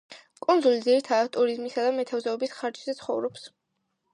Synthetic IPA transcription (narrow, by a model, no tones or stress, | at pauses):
kʼunzulid̪ziɾit̪ʰat̪ʼuɾizmisad̪amɛt̪ʰavzɛɔbisχaɾd͡ʒzɛt̪sʰχɔvɾɔps